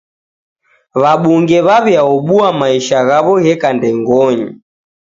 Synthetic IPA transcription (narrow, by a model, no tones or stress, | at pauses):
βaɓuŋɡɛβaβiaɔɓuamaiʃaɣaβɔɣɛkandɛŋɡɔɲi